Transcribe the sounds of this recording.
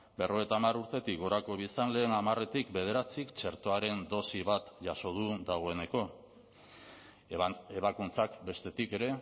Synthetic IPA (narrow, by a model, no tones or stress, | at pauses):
be̞ro̞et̪aːmaɾuɾt̪e̞t̪ikɡo̞ɾako̞βisanle̞ːnamare̞t̪ikbe̞ð̞e̞ɾat͡sikt͡ʃe̞ɾt̪o̞aɾe̞nd̪o̞siβat̪ʝaso̞ð̞ud̪aɣ̞o̞e̞ne̞ko̞ | eβakunt͡sakbe̞st̪e̞t̪ike̞ɾe̞